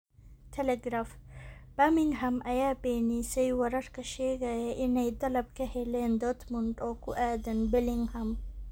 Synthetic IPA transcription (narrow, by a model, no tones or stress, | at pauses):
tʰeleɡɾaːfb̥ɐmiŋɡɦɐmɐjapeːnisejwɐɾɐʈkɐʃeɡɐjeʔinɐjt̪ɐlɐb̚keheleːnd̪ot̪ʰmuɳʈoːkuʔɛːd̪ɐnbeliŋɡhɐm